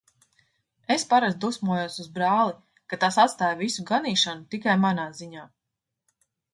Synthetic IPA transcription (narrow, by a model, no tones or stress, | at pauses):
espaɾazd̪usmuɔjuɔsuzbɾaːlˠi | kat̪asat̪st̪aːjvisuɡaniːʃanut̪ikajmanaːziɲaː